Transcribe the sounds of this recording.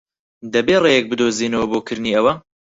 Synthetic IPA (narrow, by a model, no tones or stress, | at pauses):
d̪ɐbeːreːjɛk̚bɨd̪oːziːnɐwɐboːkʰɨɾniːɐwɐ